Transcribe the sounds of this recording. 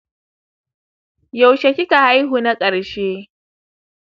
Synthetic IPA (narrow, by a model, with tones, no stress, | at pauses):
jɐ˨wʃa˨kʲɪ˦ka˨ha˦jɦuː˨na˦kʼɐ˨ɽʃeː˦